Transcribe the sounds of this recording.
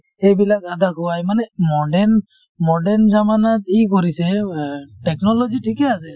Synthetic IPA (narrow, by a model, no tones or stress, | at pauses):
ejbilakad̪akuwajmanɛmɔɖɛn | mɔɖɛɾnd͡ʒamanat̚ik̬ɔɾiseʈɛknɔlɔd͡ʒiʈʰikɛasɛ